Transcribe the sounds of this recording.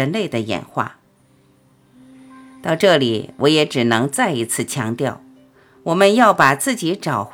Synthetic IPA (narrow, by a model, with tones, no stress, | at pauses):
ə˧˥nle˥˩ɪd̪ə˩jɛ̰˨˩nxwa̰˥˩ | t̪ɑ˥˧ʊʈ͡ʂɤ˥˩li˨˩˦wʔɔ˧˥jɛ˧˥ʈ͡ʂɻ̩˨˩nɤ˧˥ŋt͡sa˥˩ɪi˧˥t͡sʰɹ̩˥˩t͡ɕʰjɑ˧˥ŋt̪jɑ˥˩ʊ | wɔ˨˩mə˦njɑ˥˩ʊpa˨˩t͡sɹ̩˥˩t͡ɕi˧˥ʈ͡ʂɑ˨˩ʊx